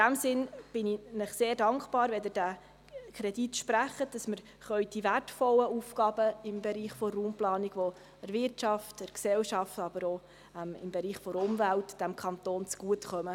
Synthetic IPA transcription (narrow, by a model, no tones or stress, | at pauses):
d̥æmsɪnb̥ɪninɪχseːɾdɑŋkχpɑːɾʋɛd̪əd̥æ | kʰɾɛditʃpɾæχəd̥ɑsməɾ | χœʏd̥ivætfɔlːəufkɑb̥əɪmbɛɾiːχfɔruːmplɑːniɡʋo | ɛɾvɪɾtt͡ʃɑftəɾksɛlʃɑftɑb̥əɾo | ɛmɪ̰mbeɾiːχfɔɾʊmvæltd̥æmkʰɑnt̪oːnt͡sɡ̥uətχœmə